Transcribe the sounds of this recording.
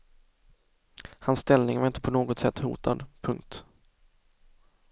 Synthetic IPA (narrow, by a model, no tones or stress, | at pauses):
hanst̪ɛlnɪŋvaɾɪnt̪əpʰɔnoːɡɔt̪sɛt̪ːhṵːt̪ʰa̰d̪pʰɵŋk̚t̪